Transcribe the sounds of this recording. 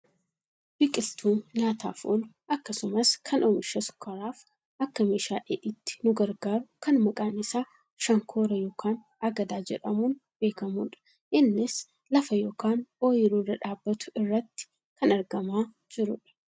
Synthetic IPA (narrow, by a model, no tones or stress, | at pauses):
b̥ɪkʼɪlt̪ʰuːnɲaːt̪a̰ːfo̰l | ɐkːɐsʊmɐskʰɐnʔoːmɪʃɐsʊ̥kʰɐɾaːf | ʔɐkːɐmeːʃaːʔḛːʔɪt̪ːɪ̥nʊɡɐɾɡaːɾʊkɐnmɐkʼaːnɪsaː | ʃɐŋkʰoːɾɐjoːkʰaːn | ɐɡɐd̪aːd͡ʒɛ̰ᶑɐmuːnb̥e̞ːkɐmuːᶑɐ̥ | ʔɪnːɪs | lɐfɐjoːkaːnoːjɪɾuːrːɐᶑaːbːɐt̪ʊ̥ɪrːɐt̪ːɪ̥ | kɐnɐɾɡɐmaː | d͡ʒɪɾʊᶑɪ̥